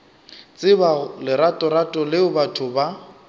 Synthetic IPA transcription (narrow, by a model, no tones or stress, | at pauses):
t͡sʼɪbalɪɾatʼɔɾatʼɔlɪʊbatʰʊba